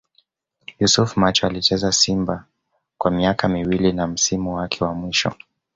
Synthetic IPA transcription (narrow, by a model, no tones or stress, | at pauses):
jusufmat͡ʃɔalit͡ʃɛzasimba | kwamiakamiwilinam̩simuwakʰɛwamwiʃɔ̰